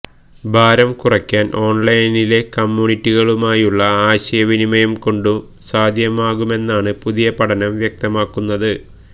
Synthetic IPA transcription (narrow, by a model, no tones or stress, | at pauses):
bʱaːɾɐmkurɐkʲːaːnʔo̞ːɳlɐjnile̞kɐmːuːɳitːiɣɐɭumaːjuɭːɐaːɕɐjɐʋinimɐjɐmko̞ɳɖu | saːd̪ʱjɐmaːɣume̞nːaːɳɨpuðijɐpɐʈʰɐnɐmʋjɐk̚t̪ɐmaːkːunːɐðɨ